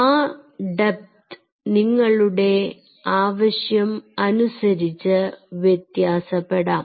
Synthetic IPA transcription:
aːɖep̚t̪ | niŋːɐɭuɽe̞ | aːʋɐɕjɐmɐnusɐɾit͡ɕːɨʋjet̪jaːsɐpːeɽaːm

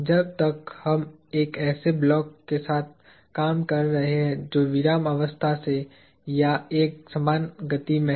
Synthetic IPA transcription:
d͡ʒɐb̚t̪ɐkhɐm | eːkɛːseblɔːkːesaːt̪̚ʰ | kaːmkɐɾːɐɦeɦɛ̃d͡ʒoːʋɪɾaːmɐʋəst̪ʰase | jaeːk̚sɐmaːnɡət̪imẽ

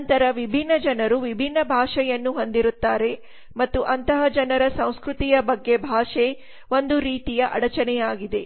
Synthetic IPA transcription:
nt̪ɐɾɐʋibʱinːɐd͡ʒɐnɐɾuʋibʱinːɐbʱaːʂɛjɐnːuɦo̞nd̪iɾut̪ːaːɾe̞ | mɐt̪ːuʔɐnt̪ɐɦɐd͡ʒɐnɐɾɐsɐ̃w̃skɾut̪ijɐbɐɡːe̞bʱaːʂe | ʋo̞nd̪uɾiːt̪ijɐʔɐ̰ɽɐt͡ʃɐnɛjaːɡid̪e̞

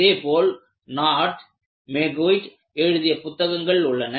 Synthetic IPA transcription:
eːpoːl | naːʈ | meɡoːɪʈ | eɻɯðɪjɐpʊt̪ːɐɣɐŋɡɐɭʊɭːɐnɐ

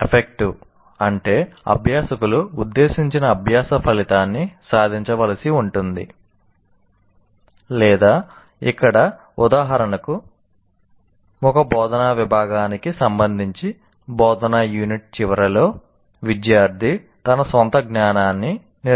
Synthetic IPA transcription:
epʰek̚ʈu | ɐɳʈe̞ːɐ̰bʱjaːsɐkuluud̪ːe̞ːsiɲt͡ʃinɐːbʱjaːsɐpʰɐlit̪aːnːisaːd̪ʱiɲt͡ʃɐʋɐlɐsiuɳʈund̪ḭ | lɛːd̪aː | ikːɐɽɐ | ud̪aːɦɐɾɐnɐku | mɔkɐbɔːd̪ɐnaːʋibʱaːɡaːnikisɐmbɐnd̪ʱiɲt͡ʃi | bɔːd̪ɐnaːjuːniʈ̚t͡ʃiʋɐɾɐlo̞ː | ʋid̪jaːɾd̪ʱi | t̪ɐnɐsʋɐnt̪ɐɡnaːnaːnːi | n

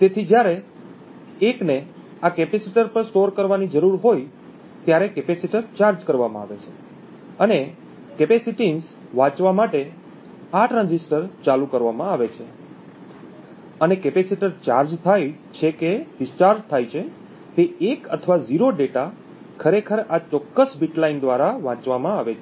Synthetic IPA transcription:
t̪et̪ʰid͡ʒjaɾe | ekne | akɛpesiʈəɾpəɾsʈoɾkəɾʋanid͡ʒəɾuɾɦoj | t̪jaɾekɛpesiʈəɾt͡ʃaɾd͡ʒkəɾʋamãa̰ʋet͡ʃʰe | əne | kepesiʈins | ʋãt͡ʃʋamaʈe | aʈɾãɲd͡ʒisʈəɾt͡ʃalukəɾʋamãaʋet͡ʃʰe | ənekɛpesiʈəɾt͡ʃaɾd͡ʒt̪ʰajt͡ʃʰekeɖɪst͡ʃaɾd͡ʒt̪ʰajt͡ʃʰe | t̪eekə̰t̪ʰʋaziɾoɖeʈa | kʰəɾekʰəɾat͡ʃɔkːəsbiʈlaind̪ʋaɾaʋãt͡ʃʋamãaʋet͡ʃʰe

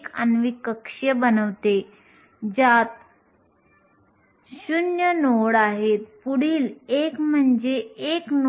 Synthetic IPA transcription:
kə̰nʋikəkʂjəbənəʋt̪e | d͡ʑat̪ | ɕunjənoɽaɦet̪puɽiːlekm̤əɳd͡ʑeekn

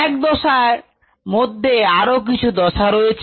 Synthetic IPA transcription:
ɛk̚d̪ɔʃaɾ | mod̪ʱːeaɾok̬it͡ɕʰud̪ɔʃaɾojet͡ɕʰ

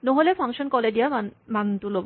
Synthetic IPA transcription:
noɦolefʰaŋʃonkɔleɖiamant̪ulob

